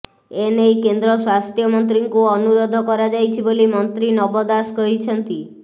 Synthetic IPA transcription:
enejkend̪ɾɔswast̪jɔmɔnt̪ɾiŋkuɔnuɾɔd̪ʱɔkɔɾad͡ʒajt͡ʃʰibolimɔnt̪ɾinɔbɔd̪askɔɦit͡ʃʰɔnt̪i

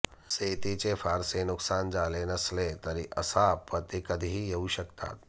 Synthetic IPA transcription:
seːt̪it͡ʃefʰaːɾsenʊksaːnd͡ʒaːlenɐslet̪ɐɾiʔɐ̰saːpːɐt̪ikɐd̪ʱiɦijɐɦuʃɐkt̪a̰ːt̪

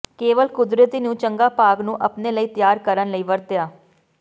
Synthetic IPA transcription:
keːʋəlkʊd̪ɾət̪iːnũːt͡ʃəŋɡaːpaːɡnũːʔəpneːləiːt̪jaːɾkəɾənləiːʋəɾt̪ɪjaː

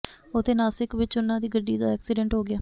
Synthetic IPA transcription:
ot̪eːnaːsɪkʋɪt͡ʃʊnãːd̪iːɡəɖːiːd̪aːɛːksɪɖɛ̃ɳʈɦoːɡɪaː

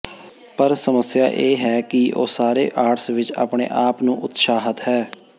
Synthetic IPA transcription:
pəɾsəməsja̰ːʔeːɦɛːkɪʔo̰ːsaːɾḛːʔaːʈsʋɪt͡ʃa̰ːpɳḛːʔaːpnũːʔʊt̪ʃaːɦət̪ɦɛː

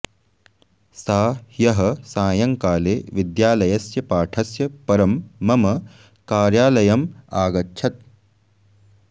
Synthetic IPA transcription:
saːjɐɦɐsaːjɐŋkaːleːʋid̪jaːlɐjɐsjɐpaːʈʰɐsjɐpɐɾɐmːɐmɐ | kaːɾjaːlɐjɐmaːɡɐtːʃʰɐt̪̚

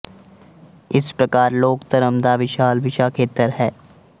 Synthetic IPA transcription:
ɪspɾɐkaːɾloːkt̪əɾəmd̪aʋɪʃaːlʋɪʃaːkʰeːt̪əɾɦɛː

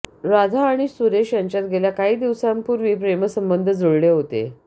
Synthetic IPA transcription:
ɾad̪ʱaːɽ̃isuɾeɕjaɲt͡ɕat̪̚ɡʱeljakaɦiːd̪iʋsampuɾʋiːpɾeməsəmbənd̪ʱəd͡zoɭleɦot̪ḛ

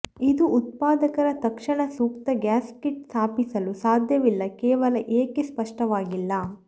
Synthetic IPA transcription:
id̪uːt̪̚paːd̪ɐkɐɾɐt̪ɐkʂɐɳɐsuːk̚t̪ɐɡaːskiʈsaːpisɐlusaːd̪ʱjɐʋilːɐkeːʋɐlɐʔeːkespɐʂʈɐʋaːɡilːɐ

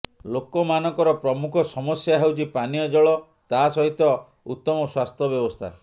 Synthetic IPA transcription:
lokɔmanɔ̃ŋkɔɾɔpɾɔmukʰɔsɔmɔsjaɦewt͡ʃʰipanijɔd͡ʒɔɭɔ | t̪asɔɦit̪ɔ | ut̪ːɔmɔswast̪ʰɔbjɔbɔst̪ʰa̰

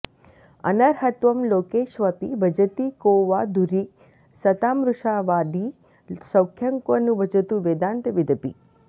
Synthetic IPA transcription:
ə̰nəɾɦət̪ʋəmloːkeːʃʋəpḭbʱəd͡ʒət̪ikoʋad̪ʱuɾik | sət̪amɾʊʃaʋad̪i | səwkʰjəŋkonũbʱəd͡ʒət̪ũʋed̪ãːnt̪ʋɪd̪ʱəpḭ

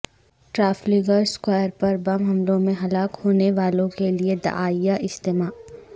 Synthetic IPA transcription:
ʈɾaːfliːɡəɾskwaːjəɾpɐɾbɐmɦɐmlõmẽɦɐlaːkhoːneʋaːlõkelied̪ɐ̰ʔaːijaʔɪst̪eːmaː

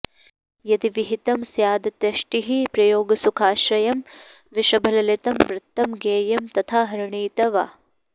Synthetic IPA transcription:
jɐd̪iʋiɦit̪ɐmsjaːd̪ɐt̪jɐʃʈiɦipɾɐjoːɡɐsukʰaːʃɾɐjɐm | ʋiʃɐbʱɐlɐlet̪ɐmʋɾɪt̪ːɐmɡeːjɐmt̪ɐt̪ʰaːɦɐɾuɳiːt̪ɐʋa̰ː

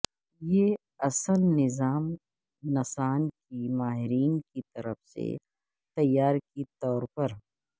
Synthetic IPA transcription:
jeː | ɐsəlːɪzaːm | nɐsaːnkimaːɦɪɾiːnkit̪ɐɾəfsḛ | t̪ɐjːaːɾkit̪ɔːɾpɐɾ

